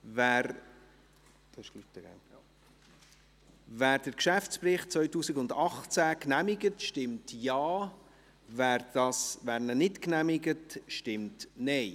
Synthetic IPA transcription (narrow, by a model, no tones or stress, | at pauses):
væːɾ | d̥ʃkly̥əɡa̰ | væːɾd̥əɾkʃæft͡sprɪχt̚t͡svœʏtuːsɪɡʊndɑχt͡sæknæmɪɡətʃtɪmtjɑː | væːɾd̥ɑsvæːɾnənɪtknæmɪɡətʃtɪmtnɛɪ